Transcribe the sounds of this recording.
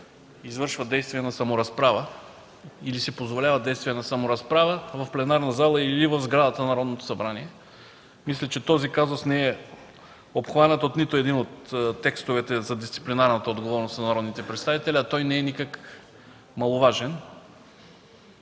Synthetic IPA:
izvɤɾʃvəd̪ɛjst̪vijɛnɐsɐmoɾɐspɾavə | ilisɛpozvolʲavəd̪ɛjst̪vijɛnɐsɐmoɾɐspɾavəvɐfplɛnaɾnɐzalˠəilivəvzɡɾad̪ət̪ənɐɾɔd̪not̪o̥sɐbɾaniɛ | mislʲɛt͡ʃɛt̪ɔzikazosnɛɛ | opxvanət̪ot̪nit̪oɛd̪inot̪ːɛkst̪ovɛt̪ɛzɐd̪ist̪si̥plinaɾnət̪əod̪ɡovɔɾnost̪nɐnɐɾɔd̪nit̪ɛpɾɛt̪st̪avit̪ɛlʲiɐt̪ɔjnɛɛnikək | mɐlˠovaʒɛn

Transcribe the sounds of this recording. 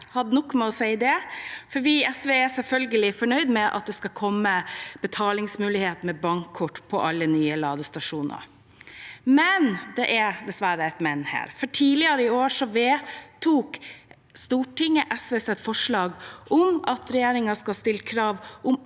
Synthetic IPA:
hɑd̪ənɔkːmɛɔsæɪəd̪ɛfɔɾʋiːɛsʋeːæsɛlfœlɡəlɪfɔɳœʏd̪mɛʔɑ̰t̪̚d̪ɛskɑkʰɔmːəb̥ət̪ʰɑːlɪŋsmʉːlɪheːt̪mɛbɑŋkʰːʊʈːpʰɔʔɑlːənyːəlɑːd̪əst̪ɑʂuːnɑ̰ɾ | mɛnd̪ɛʔɛd̪ɛsʋæɾəɛt̪mɛnːhæ̰ːɾfɔʈʰiːlɪɑɾəɪoːʂɔʋeːt̪ʰuːk | st̪uːʈɪŋːəʔɛsʋeːsɛt̪fɔʂɭɑːɡʔʊmɑt̪ɾɛjeːɾɪŋɑskɑlst̪ɪləkʰɾɑːʋʔʊm

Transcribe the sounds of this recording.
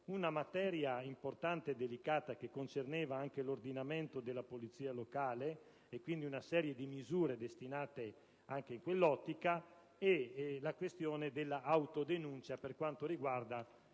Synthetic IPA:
unamat̪ɛːɾjaimport̪ant̪ed̪elikaːt̪akekːont͡ʃernɛːvaaŋkelord̪inament̪od̪elːapolit̪siːalokaːleː | kwind̪iunasɛːɾjed̪imizuːɾed̪est̪inaːt̪e | aŋk̟eiŋkwelːɔt̪ːika | ɛlakwest̪joːned̪elːaʔawt̪od̪enunt͡ʃaperkwant̪oɾiɡward̪a

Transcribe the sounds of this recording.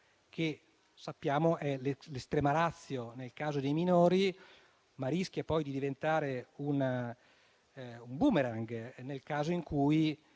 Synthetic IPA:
kʰe | sapːjaːmoʔɛlelest̪ɾɛːmaɾat̪sːjonelkaːzod̪ejminoːɾi | maɾisk̟japɔjd̪id̪ivent̪aːɾeuna | umbumeɾaŋɡnelkaːzoiŋkʰuːji

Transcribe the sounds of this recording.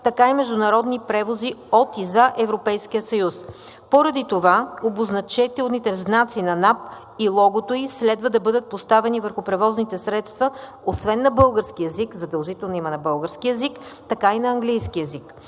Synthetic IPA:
t̪ɐkaimɛʒd̪ʊnɐɾɔd̪nipɾɛvoziɔt̪izaʔɛvɾopɛjskiəsɐjus | poɾɐd̪it̪ovaoboznɐt͡ʃɛt̪ɛlˠnit̪ɛznat̪siːnɐnap̚ | ilˠɔɡot̪oislɛd̪vəd̪ɐbɤd̪ət̪̚post̪avɛnivəɾxʊpɾɛvɔznit̪ɛsɾɛt̪st̪vɐ | osvɛnːɐbɤlˠɡəɾskiɛzikzɐd̪ɐlˠʒit̪ɛlˠnimɐnɐbɤlˠɡəɾskiɛzikt̪ɐkainɐɐŋɡlijskiɛzik

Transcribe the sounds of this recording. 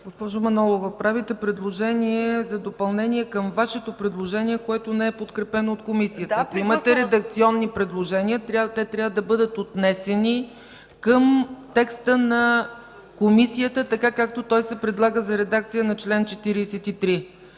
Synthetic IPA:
ɡospɔʒʊmɐnɔlˠovəpɾavit̪ɛpɾɛd̪lˠoʒɛniɛzɐd̪opɐlˠnɛniɛkəmvaʃɛt̪opɾɛd̪lˠoʒɛniɛkoɛt̪onɛɛpot̪kɾɛpɛnoːt̪komisiət̪əɐkoimət̪ɛɾɛd̪ɐk̚t̪siɔnːipɾɛd̪lˠoʒɛniət̪ɾat̪ɛt̪ɾjavəd̪ɐbɤd̪ət̪ot̪nɛsɛni | kəmt̪ɛkst̪ənɐ | komisijət̪ət̪ɐkakak̚t̪ot̪ɔjsɛpɾɛd̪lˠaɡəzɐɾɛd̪ak̚t̪sijənɐt͡ʃlɛnt͡ʃɛt̪iɾiːsɛt̪it̪ɾi

